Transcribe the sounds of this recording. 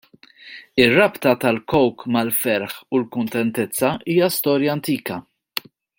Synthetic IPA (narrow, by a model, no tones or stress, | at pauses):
ɪrːɐpt̪ɐt̪ɐlkɔwkmɐlfɛɾħulkʊnt̪ɛnt̪ɛt͡sːɐʔiːjɐst̪ɔːɾjɐːnt̪iːkɐ